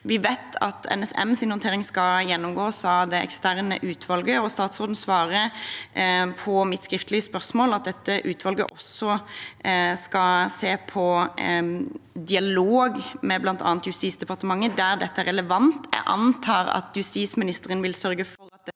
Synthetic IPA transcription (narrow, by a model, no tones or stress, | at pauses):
ʋɪʋæɪt̪ʰɑ̰t̪ʰɛ̰nɛsɛ̰msɪnhʊnt̪eːʁɪŋskɑjɛnːɔmɡoːsɑd̪ɛʔɛ̰kst̪æʁnə̰ʔʉːt̪ʰʋɑlɡəɔst̪ɑːt̪sɾoːd̪n̩sʋɑːʁə | pʰɔmɪt̪skɾɪft̪əlɪəspœʁsmoːlɑt̪̚d̪ɛt̪ːəʔʉːt̪ʰʋɑlɡə̰ʔɔsɔ | skɑseːpʰɔ | d̪ɪɑloːɡmɛblɑnt̪ʰɑ̰ːnt̪jʉst̪iːsd̪ɛpɑʁt̪əmɑŋːəd̪æɾd̪ɛt̪ːəæʁɛləʋɑnt̪æ̰ʔɑ̰nt̪ʰɑːʁɑ̰t̪jʉst̪iːt̪smɪnɪst̪əʁənʋɪlsœɾɡəfɔɾɑt̪̚